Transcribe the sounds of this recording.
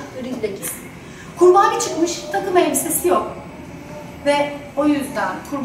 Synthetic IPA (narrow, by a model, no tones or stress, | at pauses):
øɾinid̪ɛɟʰesin | kʰuɾbaːnɯt͡ʃʰɯkmɯʃt̪ʰakɯveɾimse̞sijo̞k̚ | vɛojyzd̪ænkʰuɾb